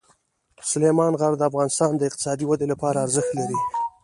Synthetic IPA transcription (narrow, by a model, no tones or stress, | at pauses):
sʊlemɑnɣaɾd̪əafɣɑnɪst̪ɑnd̪əɪqt̪ɪ̥sɑd̪iwad̪elapɑɾaːɾzəxt̪laɾi